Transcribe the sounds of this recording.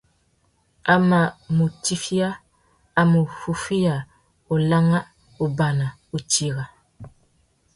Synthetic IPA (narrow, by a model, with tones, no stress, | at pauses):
a˨ma˨mu˨ti˦fi˦aː˦ | mo˨fu˦fi˦ja˨ | o˨la˦ŋa˦ | o˨ba˨na˨ | o˨ti˨ɣa˨